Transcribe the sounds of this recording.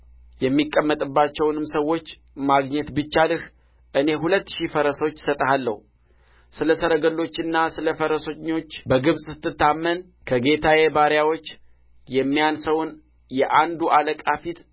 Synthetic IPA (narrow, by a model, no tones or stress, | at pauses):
jɛmːikʼːəmːət̪ʼɨbːat͡ʃːɛwnɨmsəwːo̞t͡ʃː | maɡɲɛt̪bɨt͡ʃːalɨh | ʔɨne̞ɦulət̪ːʃifəɾəso̞t͡ʃːsət̪ʼəhalːə̰hu | sɨləsəɾəɡəlːo̞t͡ʃːɪnːasɨləfəɾəsoɲo̞t͡ʃːbəɡɨβsʼsɨ̥t̪ːɨt̪ːamːən | kʰəɡe̞t̪ʰajebaɾjawo̞t͡ʃː | jɛmːijansəwn | jɛʔand̪uʔaləkʼafit̪